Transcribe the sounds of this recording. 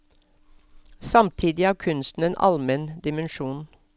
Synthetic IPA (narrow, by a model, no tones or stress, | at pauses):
sɑmt̪ʰiːd̪ɪæːkʰʉnst̪n̩eːnʔɑ̰lmɛnd̪ɪmənʃuːn